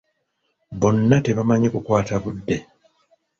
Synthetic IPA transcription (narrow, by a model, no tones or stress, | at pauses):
βo̞nːate̞βamaɲikukwaːtaβudːe̞